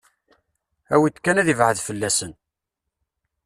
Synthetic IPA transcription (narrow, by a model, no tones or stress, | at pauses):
æwit̪ːkːænæðivʕəðfəlːæsən